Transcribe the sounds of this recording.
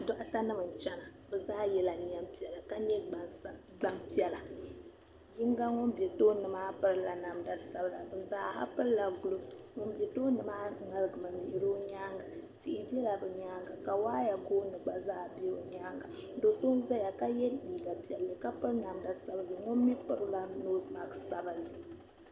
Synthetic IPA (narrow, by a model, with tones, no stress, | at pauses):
dɔ˦ʔa˦ta˦nɨ˦mɨ˨n˨t͡ʃɛ˦na˨ | bɛ˨zaː˦jɛ˦la˨˦a˦mpi˦ɛ˨la˨ka˦ɲɛ˦ɡ͡b | ɡ͡ba˦mpi˦ɛ˨la˨ | ji˦ŋ˦ɡa˦ŋo˦mbe˨toː˦nɨ˨maː˦pɨ˦ɾɨ˦la˨na˨mda˨sa˨bla̰˨bɨ˨za˦ha̰˦pɨ˦ɾla˨ɡʊ˨lo˨bsŋo˨mbe˨toː˦nɨ˨maː˦ŋa˨lɨ˦˨ɡɨ˨mɨ˨mi˨ɪ˨ɾo˦ɲaː˦ŋɡa˨ti˦ʔi˦bɛ˦la˨bɨ˨ɲa˦ŋɡa˨ka˨waː˦ja˨ɡoː˦nɨ˨ɡ͡ba˦zaː˦˨be˦o˨ɲaː˦ŋɡa˨do˨so˦n˦za˦ja˨ka˦jɛ˦liː˨ɡa˨pi˨ɛ˨lːɨ˨ka˦pɨ˦ɾna˨mda˨sa˨bɨ˨lːɨ˨ŋo˦m˦mi˦pɨ˦ɾɨ˦la˨no˦sma˨ksa˦bɨ˨lːɨ˨